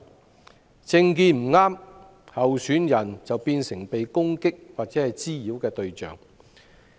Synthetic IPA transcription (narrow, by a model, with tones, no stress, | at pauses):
t͡sɪ˧ŋkiː˧nm̩˨˩ŋaː˥m | hɐ˨wsyː˨˥njɐ˨˩nt͡sɐ˨wpiː˧nsɪ˨˩ŋpe˨jkʊ˥ŋkɪ˥k̚waː˨t̚t͡sɛː˨˥hɐ˨jt͡siː˥jiː˨˥wkɛː˧t̪ɵ˧ɥt͡ʃœ̰ː˨˩ŋ